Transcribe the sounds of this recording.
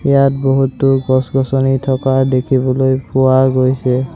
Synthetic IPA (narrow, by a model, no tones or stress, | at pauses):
jat̚boɦutːʊɡɔsɡɔsɔnitʰɔkadekʰibɔlojpʊwaɡojsɛ